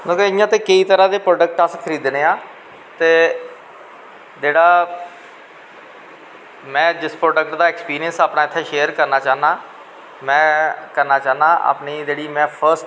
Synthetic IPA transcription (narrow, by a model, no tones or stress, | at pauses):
nõːkeɪjãːt̪eːkiːt̪əɾãːd̪eːpɾoːɖək̚ʈaskʰəɾiːd̪neːãː | t̪eː | d͡ʒeːɽaː | mɛ̃ːd͡ʒɪspɾoːɖəkʈd̪aːɛːkspiːɾijənsaːpnãːɪt̪ʰːeːʃeːəɾkəɾnaːt͡ʃaːɦnaː | mɛ̃ːkəɾnaːt͡ʃaːnaːʔa̰ːpniːd͡ʒeːɽiːmɛ̃ːpʰəɾsʈ